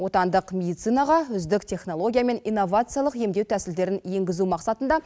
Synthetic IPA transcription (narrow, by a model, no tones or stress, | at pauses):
wo̞t̪ɑnd̪əqmʲe̞d̪ijt̪sɨjnɑʁɑʏzd̪ɪkt̪ʲʰe̞χno̞lˠo̞ɡʲijame̞ninːo̞vat̪sɨjalˠəqje̞md̪e̞wt̪ʰæsɪld̪e̞ɾɪnje̞ŋɡʲɪzumɑqsɑt̪ənd̪ɑ